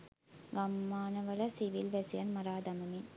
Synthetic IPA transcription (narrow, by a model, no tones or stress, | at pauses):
ɡɐmːaːnɐʋɐlɐsiʋɪlʋɐsjɐnmɐɾaːd̪ɐmɐmin